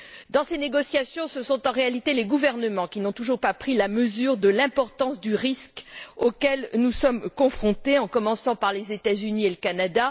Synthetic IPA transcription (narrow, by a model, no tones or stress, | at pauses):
d̪ɑ̃seneɡɔsjasjɔ̃səsɔ̃t̪ɑ̃ʁealit̪eleɡuvɛʁnəmɑ̃kʲinɔ̃t̪uʒuʁpapχilaməzyʁd̪əlɛ̃pɔʁt̪ɑ̃sd̪yʁiskokɛlnusɔmkɔ̃fχɔ̃t̪eɑ̃kɔmɑ̃sɑ̃paʁlezet̪azynieləkanad̪a